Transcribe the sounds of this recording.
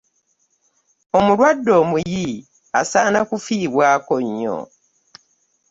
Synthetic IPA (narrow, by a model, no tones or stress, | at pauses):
o̞mulwadːo̞ːmuji | a̰saːnakufiːβwaːkoɲːo̰